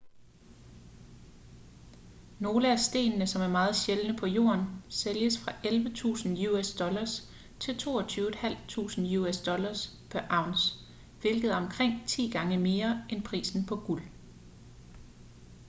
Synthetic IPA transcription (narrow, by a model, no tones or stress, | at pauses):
no̝ːləæsd̥e̝̰ːnnəsɒ̽mæɐmɑ̈ːð̩ˠɕelnəpʰɒ̽jo̝̰ːɐnseljəsfʁɑ̈ʔelʋət͡sʰṵːsn̩juesd̥ɒ̽lɐs | t͡sʰe̝lt͡sʰo̝̰ːɐt͡sʰyːʊed̥hæl̰t͡sʰṵːsn̩juesd̥ɒ̽lɐspʰæɐʔɑ̈ʊns | ʋe̝lɡ̥ð̩ˠɒ̽mkʰʁeŋ̰t͡sʰḭːɡ̥ɑ̈ŋəme̝ːɐʔenpʰʁḭːsn̩pʰɒ̽ɡ̥ul